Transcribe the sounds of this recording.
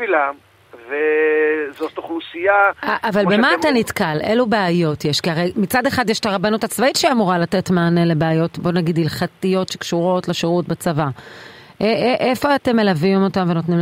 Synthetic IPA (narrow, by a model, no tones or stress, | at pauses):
ilam | vezot̪oχusijaaʔavalbemaːtanitkalʔelubeajo̞tjeʃkiaʁejmit͡sadeχad̪jeʃtaʁabanutat͡svaitʃeiamuʁalate̞tmaːnele̞beajo̞tbo̞naɡid̪ilχatijo̞tʃe̞kʃuʁo̞tleʃeʁutbat͡savaʔeʔʔefo̞ate̞melavimo̞tamve̞no̞tnim